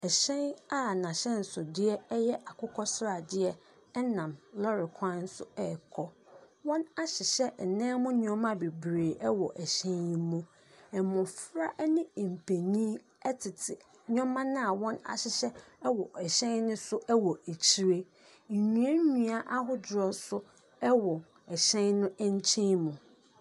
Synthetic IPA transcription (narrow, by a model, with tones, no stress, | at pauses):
ɛ˨ɕɛ̃˦na˦nã˨ɕɛ̃˦n̩˨sʊ˨dɪ˦ɛ˦ɛ˦jɛ˦ʔa˨kʰʊ˦kʰɔ˦sɾa˨dɪ˦ɛ˦ | ɛ˦nã˨mlɔ˦ɾɪ˨kʰã˦n̩˦sʊ̰˦ɛ˦˨kʰɔ˦wɔ̃˦na˦ɕɪ˨ɕɛ˦˨nɛ̃ː˦mʊ̃˦ɲ˦ɔ̃˦mã˦be˨bɾeː˨ʔɛ˦wɔ˨ʔɛ˨ɕɛ̃˦njĩ˦mũ˦ | ɛ˨mʊ̃˨fɾa˦ʔnɪ̃˦˨m̩˨pʰe˨ɲĩ˦ | ɛ˦tʰɪ˨tʰɪ˨ | ɲ˦ɔ̃˦mã˦nã˦a˨wɔ̃˦na̰˨ɕɪ˨ɕɛ˦ɛ˦wɔ˨ʔɛ˨ɕɛ̃˦nnʊ̃˦sʊ˦ɛ˦wɔ˨e˨t͡ɕʰi˦ɾe˦ | ɲ̩˨ɲũ˨ɛ˦ɲũ˨a˦ʔa˦ɦʊ˦d͡ʑɾɔ˨sʊ˦ | ɛ˦wɔ˨ | ɛ˨ɕɛ̃˦nnʊ̃˦ɛ˦ɲ˦t͡ɕʰĩ˦mũ˨